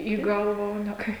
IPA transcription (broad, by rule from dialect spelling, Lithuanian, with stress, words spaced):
iː ˈɡɐlˠʋɐ oː nʲɛ ˈkɐɪ